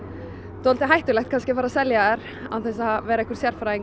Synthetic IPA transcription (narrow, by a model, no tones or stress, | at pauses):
t̪ʏhalt̪ɪɦajht̪ʏlɛxt̪kʰanscɪfaːɾasɛljaɛɾ̥ | a̰wθɛs̬avɛːɾaɛhkʏ̥ɾ̥sjɛɾ̥fɾaɪŋ